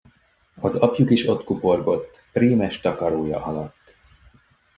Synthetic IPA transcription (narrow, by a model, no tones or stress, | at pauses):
ɒzɒpjukiʃo̞t̪kupo̞rɡo̞t̪ːpriːmɛʃt̪ɒkɒɾoːjɒ̰ʔɒlɒt̪ː